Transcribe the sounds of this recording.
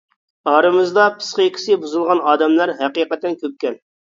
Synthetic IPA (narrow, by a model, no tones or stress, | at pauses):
ɑːɾɨmɨzd̪ɑpʰɨ̥sqəkʲʰi̥sɪbuzɨlˠʁɑnɑːd̪ɛmlˠɑɾɦæqiːqɛt̪ːɛnkʲøp̚kʲɛn